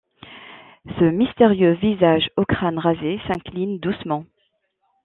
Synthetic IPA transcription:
səmist̪eʁjøvizaʒɔkχanʁazesɛ̃klind̪usmɑ̃

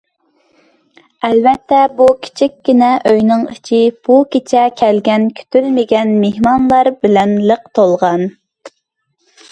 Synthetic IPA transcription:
ɛlvɛt̪ʰːɛbukʲʰi̥t͡ʃʰikʲːinɛʔøjnɨŋit͡ʃʰib̥ukʲet͡ʃʰɛkʲʰɛlɡʲɛnkʲʰy̥t̪ʰylmɪɡʲɛnmehmɑnlˠɑɾbɪlɛnləq̚t̪ʰolˠʁɑn

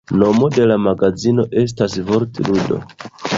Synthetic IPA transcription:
no̞mo̞de̞lamaɡazino̞ʔe̞s̬tasvo̞ɾtiludo̞̰

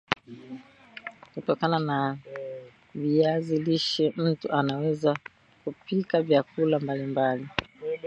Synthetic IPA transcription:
kutɔkanana | viaziliʃɛm̩tuanawɛza | kupikavjakulambalimbali

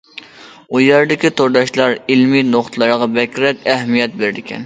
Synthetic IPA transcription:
ujæɾd̪ɪkʲit̪ʰoɾd̪ɑʃlˠɑɾilminoχt̪ʰlˠɑɾʁɑbɛkʲɾɛkʲɛɦmijɛt̪̚beɾɪd̪ɪkʲʰɛ̰n

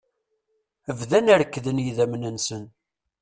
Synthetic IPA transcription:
əvðænəɾkːðənjiðæmnənsən

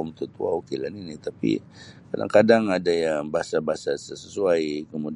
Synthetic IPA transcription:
ʊmt̪ut̪uaokelaninit̪apḭ | kada̰ŋkadaŋadajaŋbaɦasabaasasəsəsuajkəmud

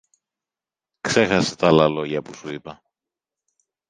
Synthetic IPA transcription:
kse̞xɐset̪ɐlɐlo̞ʝɐpusuipɐ

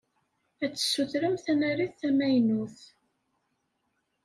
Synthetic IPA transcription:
æt͡sːə̥sːuθɾəmθænæɾiθθæmæjnuθ

